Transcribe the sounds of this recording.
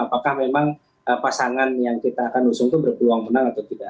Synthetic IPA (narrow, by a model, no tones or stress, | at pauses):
apakahmemaŋ | əpasaŋanjaŋkit̪aːkanusʊŋt̪ubərkəluaŋmənaŋat̪awt̪ida